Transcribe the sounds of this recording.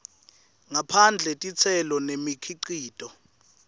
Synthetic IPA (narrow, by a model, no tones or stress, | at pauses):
ŋapʰand͡ɮʱɛtʼit͡sʰɛlɔnemikʰiǃiːtʼɔ